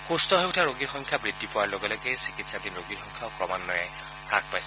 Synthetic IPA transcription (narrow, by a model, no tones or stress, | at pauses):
xustɔɦeʊtʰaɹoɡixɔŋkʰjabɹidːipʊwaɹloɡɛlɔɡɛsi̥kitsadinɹoɡixɔŋkʰjaʊkɹɔmanːɔjɛ | pɹa̰k̚pajsɛ̥